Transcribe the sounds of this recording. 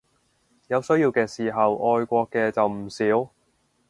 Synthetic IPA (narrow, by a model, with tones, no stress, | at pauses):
jɐ˨˧wsɵ˥jiː˧wkɛː˧siː˨˩ɦɐ˨wɔː˧jkʷɔː˧kːɛː˧t͡sɐ˨wm̩˨˩siː˨˥w